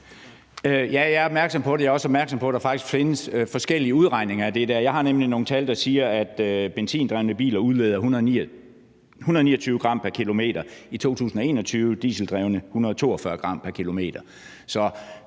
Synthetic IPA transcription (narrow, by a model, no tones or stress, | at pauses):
øjæjɑ̈ɐɒ̽b̥̚mæɐɡ̥sɒ̽mpʰɒ̽ɾejɑɒ̽sɒ̽b̥mæɐɡ̥sɒ̽mpʰɒ̽ɾ̥ɑ̈fɑ̈ɡ̥d̥isɡ̥fe̝nəsøfɒ̽sɡ̥el̰iəuð̞ˠʁɑ̈ɪ̰ne̝ŋɐæd̥e̝d̥æɐ̰jɑ̈ɪhɑ̈nemlino̝ːŋn̩t͡sʰæld̥ɑ̈siːɐæd̥øb̥ensḭːnd̥ʁaʊnəb̥ḭːlɐuðˠleð̞ˠɐhunɐðˠ | hunɐð̩ˠnḭːɐt͡sʰyːʊəɡ̥ʁɑ̈m̰pʰæɐkʰilo̝me̝̰ːd̥ɐit͡sʰo̝̰ːt͡sʰṵːsn̩ɒe̝̰ːnɒt͡sʰyːʊəd̥ḭːsl̩d̥ʁɛʊnəhunɐð̞̩ˠt͡sʰo̝̰ːɒfɶɐɡ̥ʁɑ̈m̰pʰæɐkʰilo̝me̝̰ːd̥ɐ | sɒ̽